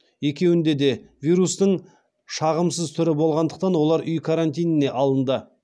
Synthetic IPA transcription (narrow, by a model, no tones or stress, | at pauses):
je̞kʲe̞wɪnd̪e̞d̪e̞vijɾust̪əɴ | ʃɑʁəmsəzt̪ʰʏɾɪbo̞lˠʁɑnd̪əq̚t̪ɑnwo̞lˠɑɾʏjkʰaɾant̪ʲijnɪne̞ʔɑlˠənd̪ə